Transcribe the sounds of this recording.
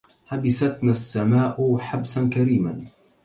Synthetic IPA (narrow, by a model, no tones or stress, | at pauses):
habɪsat̪naːsːamaːʔħabsankaɾiːman